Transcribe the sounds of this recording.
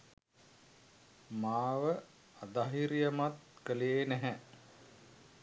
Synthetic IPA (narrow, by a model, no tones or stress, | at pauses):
maːʋə | ad̪aɦiɾijəmat̪kəleenæɦæ